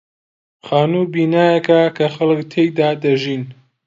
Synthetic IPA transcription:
χaːnubiːnaːjɐkakʰɐxɐlɨkt̪ʰejd̪aːd̪ɐʒiːn

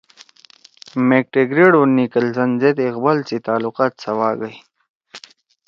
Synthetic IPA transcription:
mek̚ʈeɡɾeɖonikəlzɐnzet̪iqbalt͡sit̪aːluqaːt̪sɐwaːɡəj

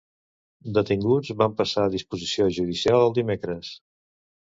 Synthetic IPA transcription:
d̪ət̪iŋɡud͡zβampəsaːðispuzisioʒuðisialˠəlˠd̪imekɾəs

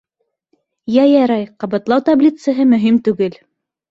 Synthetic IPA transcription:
jæjɑɾɑjqɑbɑt̪lˠɑwt̪ablʲit̪sɤ̆ɦɤmɵ̆ɦimt̪ʉɡɘl

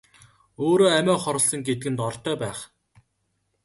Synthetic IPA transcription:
oːɾoːæmæːχɔɾɞ̆ɬsə̆ŋɡet̪ɘ̆ɡɘ̆nt̪ɔrt̪œːpæːχ

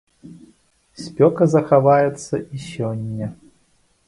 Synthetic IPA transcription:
sʲpʲɔkɐzɐxavajɛt̪sːɐʔisʲɔnʲːɐ

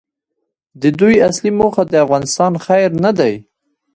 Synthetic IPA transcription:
d̪əd̪ujaslimoxad̪əafɣɑnɪst̪ɑnxajɾnad̪aj

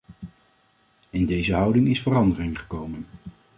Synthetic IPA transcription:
ɪndejzəɦʌwdɪŋɪsfərɑndərɪŋχə̥kowmən

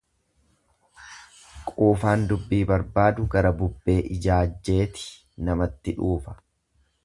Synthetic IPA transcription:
kʼuːfaːnd̪ʊbːiːbɐɾbaːd̪ʊɡɐɾɐbʊbːe̞ːʔɪd͡ʒaːd͡ʒːe̞ːt̪ɪ̥ | nɐmɐt̪ːɪᶑuːfɐ̥

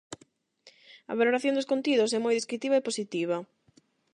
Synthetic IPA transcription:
ɐ̰βaloɾaθjõnd̪os̬kont̪iðʊsɛmojðeskɾit̪iβɐeposit̪iβ̞ɐ

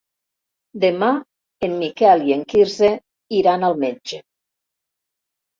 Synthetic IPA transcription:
d̪ema | emːikɛlieŋkiɾze | iɾanalˠmed͡ʒe

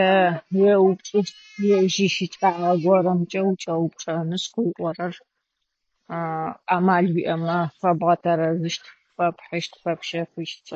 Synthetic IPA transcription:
tɐweːwt͡ʃʼɨʃtʰ | wɛwʒiːʃit͡ʃʼaːʁɐɡʷɔɾɐmt͡ʃʼɐwt͡ʃʼɐwʊpʈ͡ʂʼɐnɨsqɨjʔʷʼɔɾɐr | aːmaːɮwiːʔɐmɐfɐbʁɐtʰɐɾɐzɨʃtʰ | fɐpʰħɨʃtfɐpʃɐfɨʃt͡sʼ

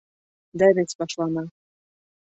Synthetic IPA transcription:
d̪æβʲet͡sʲpɑʃlˠɑnɑ

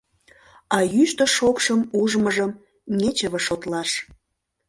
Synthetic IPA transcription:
ɑjyʃt̪əʃokʃəmuʒməʒəm | nʲet͡ɕəβəʃot̪lɑʃ

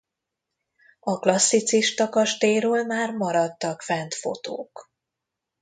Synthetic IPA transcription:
ɒklɒsːit̪siʃt̪ɒkɒʃt̪eːɾoːlmaːrmɒɾɒt̪ːɒkfɛnt̪fo̰t̪o̰ːk

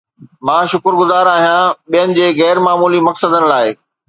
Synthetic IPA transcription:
mãːʃʊkɾɡʊzaːɾaːɦijãɓijənɪ̆d͡ʑeːɣɛːɾmaːmuːlimɐksəd̪ənɪ̆laːɪ

